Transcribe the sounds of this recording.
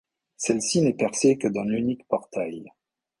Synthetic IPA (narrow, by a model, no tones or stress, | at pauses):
sɛlsinɛpɛʁsekəd̪ɑ̃nynikpɔʁt̪aj